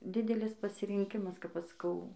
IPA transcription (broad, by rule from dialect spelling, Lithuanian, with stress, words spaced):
ˈdʲɪdʲɛlʲɪs pɐsʲɪrʲɪŋʲˈkʲɪmɐs kɐp ˈɐʃ sɐˈkɐʊ